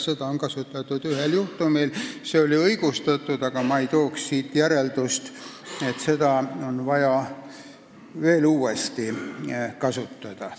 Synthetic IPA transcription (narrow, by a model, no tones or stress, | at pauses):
se̞d̪ɑoŋkɑsut̪ːˑɑt̪ːˑud̪̥yɦeljuht̪umilse̞o̞liɤjɡ̥ust̪ɑt̪ːˑud̪̥ɑɡ̥ɑmɑejt̪o̞ːkssiːt̪ːjæɾe̞ld̪ust̪e̞t̪se̞d̪̥ɑo̞nvɑjɑ | ve̞ːluːe̞st̪ikɑsut̪ːɑd̪̥ɑ